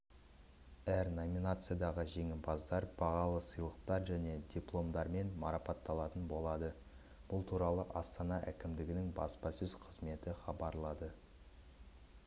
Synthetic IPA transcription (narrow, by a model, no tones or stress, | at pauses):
æɾnomʲinat̪sɨjad̪ɑʁəʒe̞ŋɪbɑzd̪ɑɾb̥ɑʁɑlˠəsəjlˠəqt̪ɑɾʒæne̞d̪ʲiplˠo̞md̪ɑɾme̞nmɑɾɑpɑt̪ːɑlˠɑt̪ənbo̞lˠɑd̪ə | b̥ʊlˠt̪ʰuɾɑlˠəʔɑst̪ɑnɑʔækʲɪmd̪ɪɡʲɪnɪŋbɑ̰spɑsɵzqʰəzme̞t̪ɪχɑbɑɾlˠɑd̪ə